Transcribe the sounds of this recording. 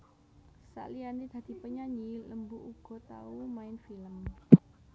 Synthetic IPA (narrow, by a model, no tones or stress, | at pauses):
sa̰ʔlianid̪̥a̤d̪̥i̤pəɲaɲiləmbuʔuɡ̥ɔ̤t̪a̰umaɪnfiləm